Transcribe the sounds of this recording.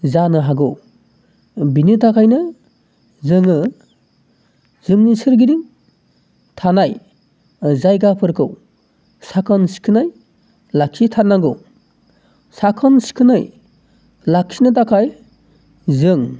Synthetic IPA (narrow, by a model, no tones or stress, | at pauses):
zanɯɦaɡɯw | binɯtakʰajnɯ | zɯŋɯ | z̥ɯŋnisɯɾɡiɾiŋ | tʰanaj | zajɡapʰɯɾkʰɯw | sakʰɔnsi̥kʰɯnaj | lakʰitʰaɾnaɡɯw | sakʰɔnsi̥kʰɯnɯj | lakʰːinɯtakʰaj | zɯŋ